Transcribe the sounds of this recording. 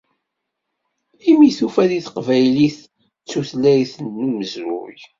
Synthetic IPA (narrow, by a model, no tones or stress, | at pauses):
imiθufæliθqvæjliθ | t͡sːuθlæiθənːuməzɾʊ̰j